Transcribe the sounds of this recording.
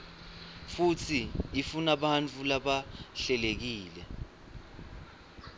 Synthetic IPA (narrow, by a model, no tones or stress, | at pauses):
fut͡sʰiːfunaɓant͡fʰulaɓaɬɛlek̬iːlɛ